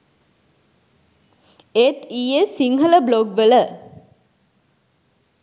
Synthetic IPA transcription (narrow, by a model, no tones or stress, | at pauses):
et̪iesiŋɦələbloɡʋələ